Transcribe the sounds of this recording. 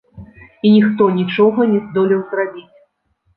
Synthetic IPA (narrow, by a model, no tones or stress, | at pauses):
inʲixt̪ɔnʲit͡ʂɔɣɐnʲɛzd̪ɔlʲiwzrabʲit͡sʲ